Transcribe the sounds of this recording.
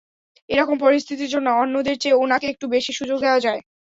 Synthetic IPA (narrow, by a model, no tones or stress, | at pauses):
eɾɔkompɔɾist̪ʰit̪iɾd͡ʑonːoɔnːod̪eɾt͡ɕeonakeek̚ʈubeʃiʃud͡ʑoɡ̚d̪ɛoad͡ʑae